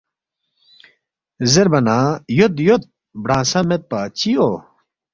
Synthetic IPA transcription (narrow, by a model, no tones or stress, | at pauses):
zeɾbɐnãːjot̪jot̪̚ | bɽãːsɐmet̪̚pat͡ɕio